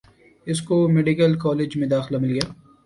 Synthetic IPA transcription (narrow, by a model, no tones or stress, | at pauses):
ɪskomeɖikəlkɔːleːd͡ʒmẽd̪aːxɪlamɪlɡɐjaː